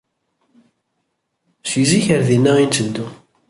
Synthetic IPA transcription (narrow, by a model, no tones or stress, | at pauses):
siziçəɾðinːæint̪ənd̪u